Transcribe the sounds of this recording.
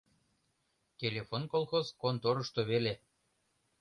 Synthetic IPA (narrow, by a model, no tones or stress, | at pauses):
t̪ʲelʲefonkolˠxozkont̪oɾɤ̆ʃt̪oβele